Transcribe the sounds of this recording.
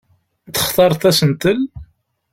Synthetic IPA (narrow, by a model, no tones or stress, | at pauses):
θə̥χt̪ˤɑɾˤθæsənt̪əl